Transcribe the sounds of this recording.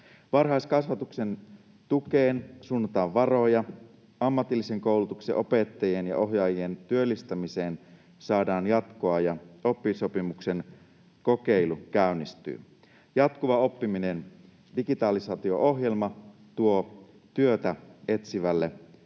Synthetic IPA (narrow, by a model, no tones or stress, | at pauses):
ʋɑrɦɑiskɑsʋɑt̪ukse̞n | t̪ukeːnsunːɑt̪ɑːʋʋɑro̞jɑ | ɑmːɑt̪ilːiseŋko̞uwlut̪uksḛʔo̞pe̞t̪ːɑjienjɑ̰ʔo̞ɦjɑːjient̪yølːist̪æmise̞ːn | sɑːdɑːnjɑt̪koɑjɑo̞pːiso̞pimuksen | ko̞keilukæynːist̪y̰ː | jɑt̪kuʋɑo̞pːiminen | diɡit̪ɑːlisɑːt̪io̞̰ʔo̞ɦje̞lmɑt̪uo | t̪yøt̪æe̞t̪siʋælːe